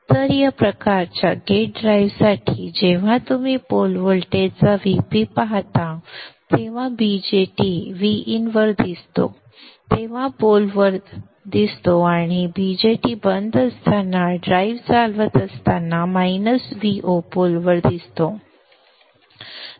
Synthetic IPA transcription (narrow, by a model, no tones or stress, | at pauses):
t̪əɾjapɾəkaɾt͡ɕjaɡeʈ̚ɖɾajʋsaʈʰid͡ʑeʋ̤ãt̪umipolʋolʈet͡saʋipipaɦt̪at̪eʋ̤ãbid͡ʑeʈiʋiinʋəɾd̪ist̪o̰ | t̪eʋ̤ãpolʋəɾd̪ | d̪ist̪oaɽ̃ibid͡ʑeʈibənd̪ʱəst̪ʰanaɖɾaiʋt͡salʋət̪əst̪anːamainəsʋiʔopolʋəɾd̪ist̪o